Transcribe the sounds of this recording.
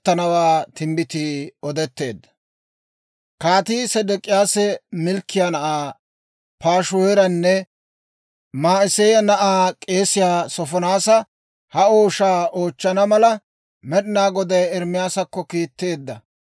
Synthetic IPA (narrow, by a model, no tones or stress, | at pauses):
t̪ːɐnɐwaːt̪ɪmbɪt̪iɔd̪ɛt̪ːe̞ːd̪ːɐ̥ | kaːt̪iːsɛd̪ɛkʼɪjaːsɛmɪlkːɪjanɐʔaː | paːʃʊwɛɾɐnːɛ | maːɪsɛjɐnɐʔaːkʼe̞ːsɪjaːsɔfɔnaːsɐ | hɐo̞ːʃaːoːt͡ʃːɐnɐmɐlɐ | mɛɗɪnaːɡɔd̪ɐjɛɾmɪjaːsɐkːɔkiːt̪ːe̞ːd̪ːɐ